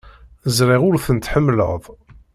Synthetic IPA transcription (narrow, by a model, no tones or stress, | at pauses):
zɾiʁʊɾθənt̪ħəmːlə̰ðˤ